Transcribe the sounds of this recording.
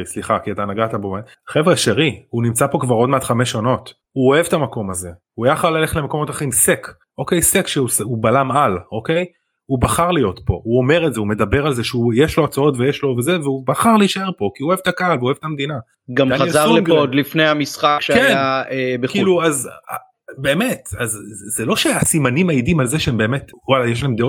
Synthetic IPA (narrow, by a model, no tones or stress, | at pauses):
isliχakiat̪anaɡataboma | χevʁeʃeʁihunimt͡sapo̞kvaʁo̞dmeatχame̞ʃano̞t | huoe̞vtamako̞maze̞huajaχalale̞χle̞meko̞mo̞taχimsek | o̞ke̞jsekʃeusubalamalo̞kej | ubaχaʁlijo̞tpo̞uo̞me̞ʁetzeume̞dabeʁalze̞ʃeujeʃloat͡sao̞tvejeʃlo̞veze̞veubaχaʁlejiʃae̞ʁpo̞kiuoevet̪akaalveoevetamed̪ina | ɡamaaezaʁlemod̪lifnejamisχakʃeakejaebekiluaza | be̞ːme̞tazzelo̞ʃeasimanimaidimalzeʃeembe̞ːme̞twalajeʃ̬laemd̪eot